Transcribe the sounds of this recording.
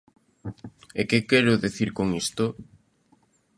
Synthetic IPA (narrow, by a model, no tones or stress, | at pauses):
ekekɛɾʊðiθiɾkoŋist̪ʊ